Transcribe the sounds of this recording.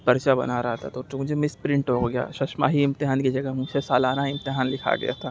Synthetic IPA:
pɐɾt͡ʃabɐ̰naɾɐɦat̪ʰa̰t̪oːt͡ʃumʊd͡ʒʱemɪspɾɪ̃ɳʈɦoɡɐja̰ːʃɐʃma̰ɦiɪ̃mt̪ɪɦaːnkid͡ʒɐɡəɦmʊd͡ʒsesaːlaːnaɪ̃mt̪ɪɦaːnlɪkʰa̰ɡɐ̰ja̰t̪ʰaː

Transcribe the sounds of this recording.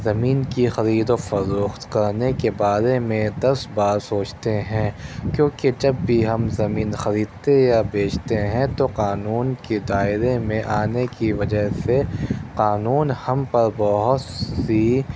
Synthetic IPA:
zɐmiːnkixɐɾiːd̪ofɐɾuːxt̪kɐɾnekebaːɾemẽd̪ɐsbaːɾsoːt͡ʃt̪eɦɛ̃ːkjõːked͡ʒɐbːʱiɦɐmzɐmiːnxɐɾiːd̪̚t̪ejabeːt͡ʃt̪eɦɛ̃t̪oqaːnuːnked̪aːɪɾemẽʔaːnekiʋɐd͡ʒəɦseqaːnuːnhɐmpɐɾbɔɦʊt̪si

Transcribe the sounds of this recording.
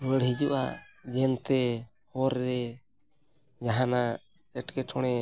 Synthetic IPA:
bəɽɦid͡ʒuʔad͡ʒɛnt̪ɛ | hɔɾːɛ | d͡ʒaɦana | ɛʈkɛʈʰɔɽ̃ɛ

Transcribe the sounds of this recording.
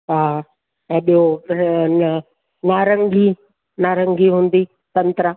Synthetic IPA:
ɦaː | eɗijo | naːɾə̃ŋɡʱi | naːɾə̃ŋɡʱiɦũːn̆d̪i | t̪ɐ̃nt̪ɾə

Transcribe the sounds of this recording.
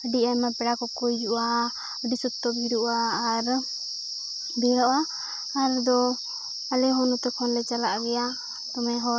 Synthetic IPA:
əɖiamapɛɽakɔkɔjuʔa | əɖisut̪ːɔbʱiɾuʔaːɾ | bɛɾɔʔaː | ɾd̪ɔ | alɛɦɔnɔt̪ɛkʰɔnlɛt͡ʃalaʔɡɛja | t̪ɔmɛɦɔ

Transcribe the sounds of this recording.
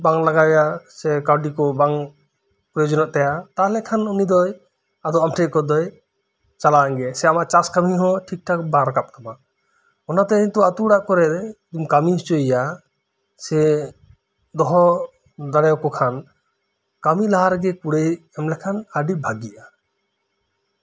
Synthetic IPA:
baŋlaɡajasɛkawɖikɔbaŋ | pɾɔjɔd͡ʒɔnɔʔt̪ɛjat̪alɛkʰanɔnid̪ɔj | ad̪ɔwamʈʰɛkɔd̪ɔj | t͡ʃalaŋɡɛsɛamaʔt͡ʃaskamiɦɔ̃ʈʰik̚ʈʰak̚baɾkap̚t̪ʰɔma | ɔnat̪ɛint̪ɔat̪uɽaʔkɔɾɛd̪ɛd̪umkamiɦɔt͡ʃɔjja | sɛ | d̪ɔɦɔ | d̪aɽɛjɔkɔkʰan | kamilaɦaɾɡɛkuɽejɛmlɛkʰanaɖibʱaɡiʔa

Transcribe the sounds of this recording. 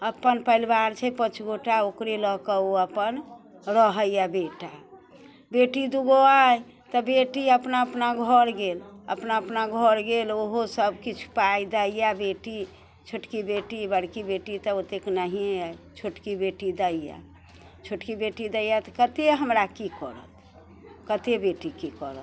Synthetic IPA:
əpənpəilbaɾt͡ʃʰɛpət͡ʃʰɡoʈaokɾelɔkəoəpən | ɾəɦəjjabeʈa | beʈid̪uɡoaj | t̪ɔbeʈiəpnaəpnaɡʱɔɾɡelə̰pnaəpnaɡʱɔɾɡeloɦosəbkit͡ʃʰu̥paid̪əijabeʈi | t͡ʃʰoʈkibeʈibəɽkibeʈit̪ɔot̪eknaɦieat͡ʃʰoʈkibeʈid̪əija̰ | t͡ʃʰoʈkibeʈid̪əjat̪kət̪eɦəmɾakikɔɾə̰t̪ʰ | kət̪ebeʈikikɔɾət̪

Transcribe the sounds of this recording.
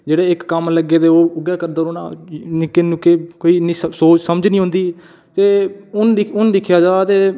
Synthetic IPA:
d͡ʒeːɽeːɪkːəmləɡeːt̪eːoːʊɡɛːkəɾd̪aːɾoːna̰ːnɪkːeːnũːkeːkoːiːniːssoːt͡ʃsəməd͡ʒnĩːõːnd̪iː | t̪eːʊnɪʊnd̪ɪkʰjaːd͡ʒaːat̪eː

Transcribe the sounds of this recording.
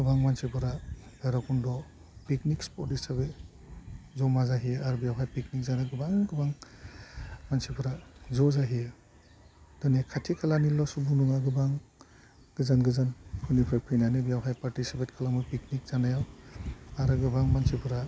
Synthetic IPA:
ɡɯbaŋmansipʰɯɾaɡaɾakʰundɔ | piknikspɔɾtisabe | zɔmazaɦijaɾbijawɦajpiknik̚zanaɡɯbaŋɡɯbaŋ | mansipʰɯɾazɔzaɦije | d̥ɔnekʰatʰikʰalanilɔsubunuŋaɡɯbaŋ | ɡ̥ɯzanɡɯzankʰunipʰɾepʰɯjnanɯbijawɦajpaɾtisipʰetkʰalamɯpiknik̚z̥anajaw | aɾɯɡɯbaŋmansipʰɯɾa

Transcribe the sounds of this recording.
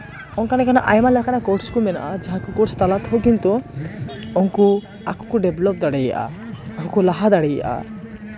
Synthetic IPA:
ɔŋkanɛkanaʔajmalɛkanakɔʈskumɛna̰ʔad͡ʒaɦãkukɔʈst̪alat̪ɦowkint̪u | ɔŋku | akʰu̥kuɖeblɔp̚d̪aɽeja̰ʔa̰akʰukulaɦad̪aɽeja̰ʔa̰

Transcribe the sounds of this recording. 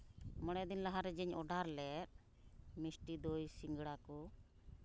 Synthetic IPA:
mɔɽ̃ɛd̪inlaɦaɾɛd͡ʒɛɲɔɖaɾlɛɾ̚ | misʈid̪ɔjsiŋɡɽakɔ

